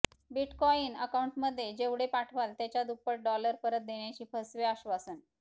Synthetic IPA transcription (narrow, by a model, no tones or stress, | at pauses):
biʈkɔiːnəkauɳʈməd̪ʱːjed͡ʑeʋɽepaʈʰʋalt̪jat͡ɕjad̪upːəʈ̚ɖɔləɾpəɾət̪̚d̪eɳjat͡ɕiːpʰəsʋeaɕʋasən